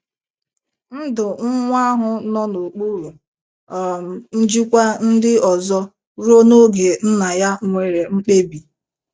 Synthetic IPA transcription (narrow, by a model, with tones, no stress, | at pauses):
n̩˦dʊ˨ŋ̩˦ŋʷ˦a˦ɦʊ˦nɔ˦no˨k͡pu˦ɾu˨ | ɔ˨m̩˨n̩˦d͡ʒi˦kʷa˦n̩˦dɪ˦ɔ˨zɔ˦ | ɾo˦no˦ɡe˨n̩˦na˨ja˦ŋʷe˨ɾe˨ŋ͡m̩˦k͡pe˦bi˨